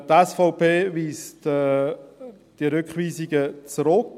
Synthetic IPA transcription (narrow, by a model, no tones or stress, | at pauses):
tɛsfaʊpeːviːstː | d̥iəɾʏkχviːzɪɡət͡sɾʊk